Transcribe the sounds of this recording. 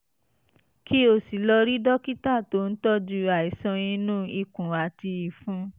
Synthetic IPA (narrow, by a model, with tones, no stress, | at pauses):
kʰi˦o˦˨si˨lɔ˧ɾi˦dɔ˦ki˦ta˦˨to˦n̩˦tɔ˦d͡ʒu˧a˨i˨sɔ̃˧ĩ˧nũ˦i˧˨kũ˨a˨ti˧i˨fũ˦